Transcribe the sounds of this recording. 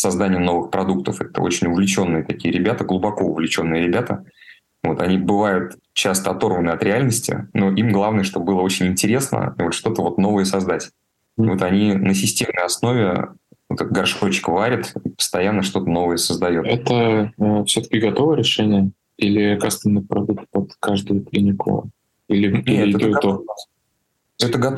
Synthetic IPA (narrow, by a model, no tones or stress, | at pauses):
sɐzd̪anʲɪjəno̞vɨxpɾɐd̪uk̚t̪əfɛt̪ə̰ot͡ɕɪnʲʊvlʲɪt͡ɕo̞nːɨjət̪ɐkʲijəɾʲɪbʲat̪əɡlˠʊbɐko̞ʊvlʲɪt͡ɕo̞nːɨjəɾʲɪbʲat̪ə | vo̞t̪ɐnʲibɨvajʊt̪ | t͡ɕast̪əɐt̪o̞rvənɨɐt̪ɾʲɪalʲnəsʲtʲɪ̰no̞ʔimɡlˠavnəjəʂt̪o̞bɨlˠəo̞t͡ɕɪnʲɪnʲtʲɪɾʲe̞snə̰vot̪ʂt̪o̞t̪əvo̞t̪no̞vəjəsɐzd̪atʲ | vo̞t̪ɐnʲinəsʲɪsʲtʲe̞mnəjɐsno̞vʲɪvot̪ɛt̪ɡɐrʂkot͡ɕɪ̥kvaɾʲɪt̪ipə̥st̪ɐjanːəʂt̪o̞t̪əno̞vəjəsəzd̪ɐjo̞tɛt̪əfsʲot̪ə̥kʲɪɡɐt̪ovəjəɾʲɪʂɛnʲɪjə | ilʲɪkast̪əmnɨpɾɐd̪uk̚t̪̚pət̪kaʐd̪ɨjʊklʲinʲɪkʊ̰ | ilʲɪeɛt̪oo | ɛt̪əɡɐt̪